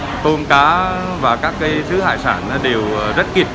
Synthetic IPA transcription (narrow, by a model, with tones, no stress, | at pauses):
t̪o˧nkaː˨˦ | vaː˨˩kaː˦˥kːaː˨˦jsɨ̰˧˦ha̰ː˧˨jsaː˧˩na˨˦ɗe˨˩wəː˨˩zə˦˥t̚ki˨˩p̚